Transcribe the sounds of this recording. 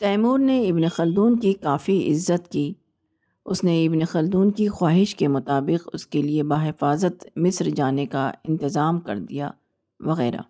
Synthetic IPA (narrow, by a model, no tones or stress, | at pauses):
t̪ɛːmuːɾneɪbnexɐld̪uːnkikaːfiʔɪ̰zːət̪kiː | ʊsneɪbnexɐld̪uːnkixwaːɦɪʃkemʊt̪aːbɪqʊskeliebaːɦɪfaːzət̪mɪsɾd͡ʒaːnekaɪ̰̃nt̪ɪzaːmkɐ̰ɾd̪ija̰ː | ʋɐɣɛ̰ːɾa̰ː